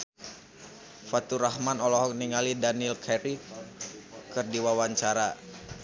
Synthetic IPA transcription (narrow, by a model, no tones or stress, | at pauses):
fat̪uɾahmanɔlɔɦɔk̚niŋalidanilkʰɛɾi | kɨrdiwawaɲt͡ʃaɾa